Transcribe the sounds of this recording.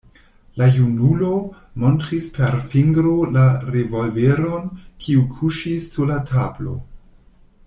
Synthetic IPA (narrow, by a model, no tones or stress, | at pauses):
lajunulo | mo̞ntɾispʰeɾfiŋɡɾolaɾevo̞lveɾo̞nkʰiukʰuʃisːuɾlatʰablo̞̰